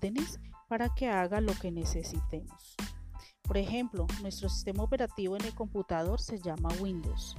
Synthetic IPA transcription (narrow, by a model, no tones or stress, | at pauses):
enespaɾake̞aɣalo̞ke̞ne̞se̞sit̪emos | po̞ɾe̞xe̞mplo̞nwe̞st̪ɾosi̥st̪e̞maope̞ɾat̪iβo̞e̞ne̞lko̞mput̪aðo̞ɾse̞ʝamawĩnd̪o̰ws